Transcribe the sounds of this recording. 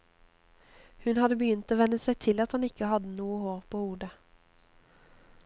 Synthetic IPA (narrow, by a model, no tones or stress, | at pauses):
hʉnhɑd̪əbəjʏnt̪oːʋɛnəsæɪt̪ʰɪlɑt̪hɑnɪkəhɑd̪ənuːəhoːʁpʰoːhuːd̪ə